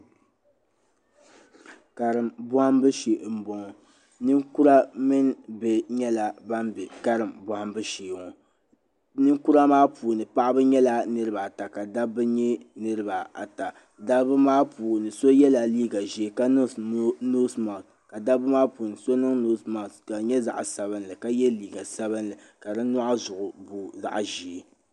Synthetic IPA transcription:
ka˨ɾɨ˨mbʊ˦ha˦mbɨ˦ʃe˨m̩˨bo˨ŋ˨ | nɨ˦ŋku˦ɾa˦mɨ˦n˦bɛ˨ɲɛ˦la˨ba˦mbɛ˨ka˦ɾɨ˨mbɔ˨ha˦mbɨ˦ʃeː˨ŋɔ˨ | nɨ˦ŋku˦ɾa˦maː˦puː˨nɨ˨pa˦ʔa˦bɨ˦ɲɛ˦la˦nɨ˦ɾɨ˦ba˨ta˨ka˨da˦bɨ˦ɲɛ˦nɨ˦ɾɨ˦ba˨a̰˨ta˨ | da˦bɨ˦maː˦puː˨nɨ˨so˦jɛ˦la˨liː˦ɡa˨ʒi˨ka˦n˦no˦sma˨s | ka˨da˦bɨ˦maː˦pu˨nɨ˨so˦nɨ˦ŋno˦sma˨ska˨ɲɛ˦za̰˨ʔsa˨βɨ˦nlɨ˨ka˦jɛ˦liː˦ɡa˨sa˦bɨ˦nlɨ˨ | ka˨dɨ˦nɔ˦ʔa˦zʊ˨ʔʊ˨bu˨za̰˨ʔʒi˨e˨

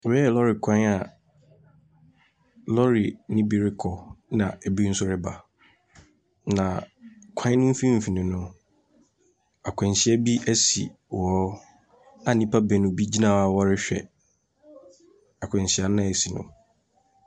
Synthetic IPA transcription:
wɔ˦ɛ˨lɔ˦ɾɪ˨kʷʰã˦a˨ | lɔ˦ɾi˨nɪ̃˦bi˨ɾɪ˦kʰɔ˨nã˨ʔɛ˨bi˦n̩˦sʊ˦ɾɪ˦ba˨ | nã˨kʷʰã˦nʊ̃˦m̩˦fĩ˦m̩˨fi˨nɪ̃˨nʊ̃˦ | a˨kʷʰɛ̃˨n˨ɕi˨˦ɛ˦bi˦ʔɛ˦sḭ˨ | wɔ˨˦ | ã˨nĩ˦pʰa˦bɛ˨nʊ̃˨bi˦d͡ʑi˦nã˦˨a˨wɔ˦ɾɪ˦ɕᶣɛ̰˨ | a˨kʷʰɛ̃˨ɲ˨ɕi˨a˨nã˦˨ɛ˨si˨nʊ̰̃˨

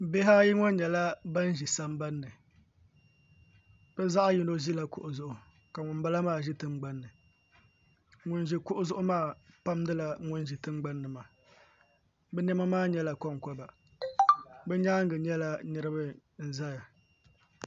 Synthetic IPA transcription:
be˦ɦa˦ji˦ŋɔ˦n˦ɲɛ˨la˦ba˦n˦ʒi˨sa˦m˦ba˦nːɨ˨ | b̥ɛ˦za˦ʔa˦ji˨˦no˦ʒi˦la˨kʊ˨ʔʊ˨zʊ˨ʔʊ˨ | ka˨ŋʊ˨mba˦la˦maː˦˨ʒi˦tɨ˦ŋ͡mɡ͡ba˦nːɨ˨ | ŋʊ˨nʒi˨kʊ˦ʔʊ˦zʊ˦ʔʊ˦maː˦˨pa˦mdɨ˦la˨ŋʊ˦n˦ʒi˨tɨ˦ŋ͡mɡ͡ba˦nːɨ˨ma˨ | bɛ˦nɛ˦ma˦maː˦˨ɲɛ˦la˨kɔ˦ŋ˨kɔ˦ba˨ | bɛ˦ɲaː˦ŋ˦ɡɨ˨ɲɛ˦la˦nɨ˦ɾɨ˦bɨ˦ | n̩˨za˦ja˨

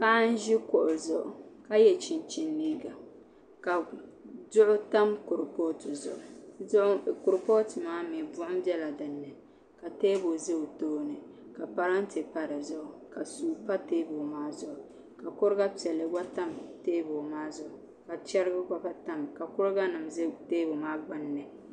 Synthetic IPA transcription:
pa˦n˦ʒɪ˦kʊ˨ʔʊ˨zʊ˨ʔʊ̰˨ka˦jɛ˨t͡ʃi˨nt͡ʃi˨nːiː˦ɡa˨ | ka˨zʊ˦ʔʊ˦ta˦mkʊ˨ɾpo˦tɨ˨zʊ̰˨ʔʊ˨˦ʔkʊ˨ɾpo˦tɨ˨maː˦mi˨bʊ˦ʔʊ˦mbɛ˦la˨dɨ˨nːɨ˨ | ka˨teː˦bo˨zɨ˦˨toː˦nɨ˨ | ka˨pa˨ɾa˦n˦tɪ˨pa˦ɾɨ˨zʊ˦ʔʊ˨ka˨suː˨pa˦teː˦bo˨maː˦zʊ˦ʔʊ˨ | ka˨kʊ˦ɾɡa˦pi˨ɛ˨lːɨ˨ɡa˦ta˦mteː˦bo˨maː˦zʊ˦ʔʊ˨ | ka˨t͡ʃɛ˦ɾɪ˦ɡʊ˦ka˦pa˦ta˦mka˨kʊ˦ɾɡa˦nɨ˨mzteː˦bo˨maː˦ɡ͡ba˦nːɨ˨

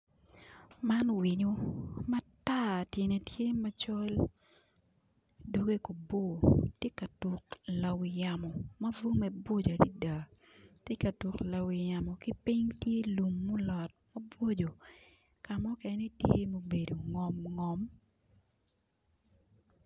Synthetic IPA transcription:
ma˦nwi˨ɲo˦ma˦ta˦˨tje˨ne˨tje˦mɐ˦t͡ʃɔ˦l | do˨ɡe˦ko˨bo˦˨tje˦ka˨tu˨kla˨wɪ˨ja˨mɔ˨mɐ˦vu˦ŋmɛ˦bo˦d͡ʒa˨ɾḭ˦da˨ | tje˦ka˨tu˨kla˨wɪ˨ja˨mɔ˨ki˦pi˦ɲtje˦lu˨mːu˦lɔ˨t̚mɐ˦bo˦d͡ʒo˨ | ka˨mɔ˦kɛ˨ni˦tje˦mo˨be˨do˨ŋɔ˨mŋɔ˨m

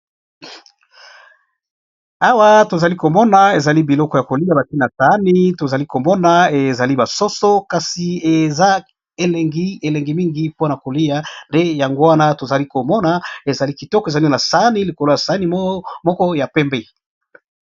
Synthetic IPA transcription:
a˦wa˦to˨za˨li˦ko˨mɔ˦na˨e˨za˨li˦bi˨lɔ˦kɔ˨ja˨ko˨li˦a˦˨ba˨ti˦na˨sa˨˦ni˦to˨za˨li˦ko˨mɔ˦na˦e˨za˨li˦ba˨so˦so˦ka˨si˨e˨za˦ | e˨lɛ˨ŋɡi˦e˨lɛ˨ŋɡi˨mi˦ŋɡi˦po˦na˨ko˨li˦ja˨nde˦ja˨ŋɡo˦wa˦na˦to˨za˨li˦ko˨mɔ˦na˦e˨za˨li˦ki˨tɔ˦kɔ˨e˨za˨li˦na˨sa˨˦ni˦li˨ko˨lo˦ja˨sa˨˦ni˦mɔ˦kɔ˦ja˨pɛ˦mbe˦˨

